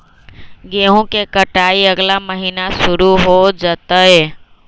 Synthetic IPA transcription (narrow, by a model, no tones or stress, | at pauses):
ɡeɦõkekəʈaːiəɡlaməɦiːnasʊɾuɦod͡ʒət̪əɦe